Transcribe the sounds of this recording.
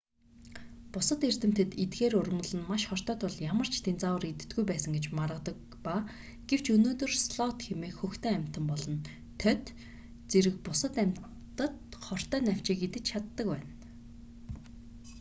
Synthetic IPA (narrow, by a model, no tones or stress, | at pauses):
pʊsə̆t̪er̥t̪ɘ̆m̥t̪ɘ̆t̪it̪ɡeːɾɵɾɵ̆ŋ̆ɮɘ̆nmaʃχɔr̥t̪œːt̪ʰʊɮjamə̆r̥t͡ɕʰt̪ʰent͡sawə̆rit̪ɘ̆t̪ɡujpæːsə̆ŋɡet͡ɕmarʁə̆t̪ə̆k | pa | ɡ̥ew̥t͡ɕɵnoːt̪ɵ̆rsɮɔt̪xemeːkxɵxt̪ʰeːæm̥ʲt̪ə̆mpɔɮɞ̆n | t̪ʰœt̪ | t͡seɾɘ̆k̚pʊsə̆t̪æm̥ʲ | t̪ə̆t̪χɔr̥t̪œːnæw̥t͡ɕiːket̪ɘ̆t͡ɕt͡ɕʰat̪ːə̆kpæːn